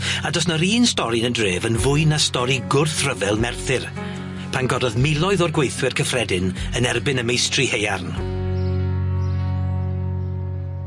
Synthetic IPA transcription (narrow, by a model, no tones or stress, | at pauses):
adɔsnɔɾiːnstɔɾinəndreːvənvʊɨnastɔɾiɡʊrθrəvɛlˠmɛrθɪr | pʰanɡɔdɔðmɪlˠɔɨðɔrɡwejθwɪrkʰəfrɛdɪnənɛrbɪnəmejstrihejarn